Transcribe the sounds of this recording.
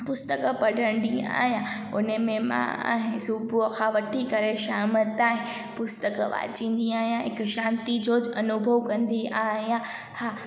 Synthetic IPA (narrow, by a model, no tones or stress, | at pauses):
pʊst̪əkpɐɖʱə̃nɖ̪ĩa̰ːɦijã | ʊnəmẽmã̰a̰ːɦɪ̃subʱukʰãːʋɐʈʰikɐɾeʃaːmət̪aːɦɪ̃ | pʊst̪əkʋa̰ːt͡ɕĩːn̆d̪iaːɦijãɦɪkʃãːnt̪id͡ʑoːd͡ʑɐnʊbʱəʋkɐ̃nd̪iʔaːɦijã | haː